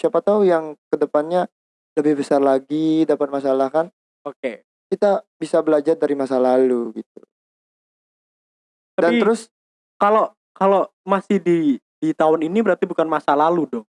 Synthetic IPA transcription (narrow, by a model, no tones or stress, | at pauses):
t͡ʃapat̪awjaŋkədəpanɲa | ləbɪhbəsarlaɡidapat̪̚mas̬alahkan | oke | kit̪abisabəlad͡ʒardaɾimasalaluɡit̪̚ṵ | t̪adanit̪əɾʊs | kalo | kalomasɪhdi | dit̪aʊninibəɾart̪ibukanmasalaludɔŋ